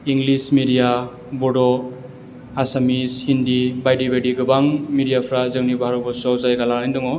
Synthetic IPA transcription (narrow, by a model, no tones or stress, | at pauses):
iŋɡlismidija | bɔdɔ | asamishindibajdibajdiɡɯbaŋmidijapʰɾazɯŋnibaɦaɾɔbɔsawzajɡalaɾajndɔŋɔ